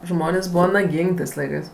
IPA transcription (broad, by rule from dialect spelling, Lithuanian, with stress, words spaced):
ˈʒmoːnʲeːsʲ ˈbuːʋɐ nɐˈɡʲiːŋʲkʲ ˈtɜs ˈlˠɐɪkɜs